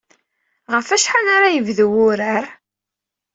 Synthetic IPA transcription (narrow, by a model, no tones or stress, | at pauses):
ʁəfæʃħanaɾajəvðwʊɾəɾ